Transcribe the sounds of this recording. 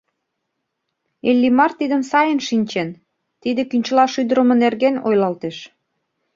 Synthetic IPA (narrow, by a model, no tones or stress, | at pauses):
elʲːimɑrt̪id̪ə̆nsɑjənʃinʲt͡ɕen | t̪id̪ekynt͡ɕəlɑʃyd̪əɾə̆mə̆nerɣenojlɑlt̪eʃ